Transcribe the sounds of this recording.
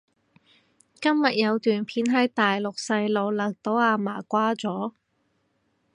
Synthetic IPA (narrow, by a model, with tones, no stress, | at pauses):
kɐ˥mjɐ˨t̚jɐ˨˧wt̪yː˨˩npʰiː˨˥nɦɐ˨˥jt̪aː˨jlʊ˨k̚sɐ˧jlo˨˧wlɐ˨˩k̚t̪o˨˥waː˧maː˨˩kʷaː˥t͡sɔː˨˥